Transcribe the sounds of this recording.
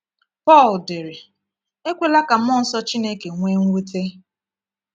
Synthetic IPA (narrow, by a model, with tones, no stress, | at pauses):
pɔ˦˨lde˨ɾɪ˨ | e˦kʷe˨la˦ka˨m̩˦mɔ˦n̩˦sɔ˦t͡ʃi˦ne˦ke˨ŋʷe˦ŋ̩˦wu˦te˦